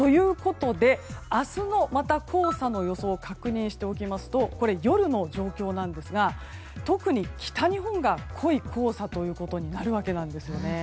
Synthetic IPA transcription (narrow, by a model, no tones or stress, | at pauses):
t̪o̞jɯ̟ːko̞t̪o̞d̪e̞asɨno̞mat̪akʰo̞ːsano̞jo̞so̞ːkakɯ̟ɲ̟ĩɰ̃ɕi̥t̪e̞o̞kʲimasɨ̥t̪o̞ko̞ɾe̞jo̞ɾɯ̟no̞ʑo̞ːkʲo̞ːnãnd̪e̞sɨɡa | t̪o̞kɯ̟ɲ̟ikʲi̥t̪aɲ̟iɦõ̞ŋɡakʰo̞ikʰo̞ːsat̪o̞jɯ̟ːko̞t̪o̞ɲ̟inaɾɯ̟β̞ake̞nãnd̪e̞sɨjo̞ne̞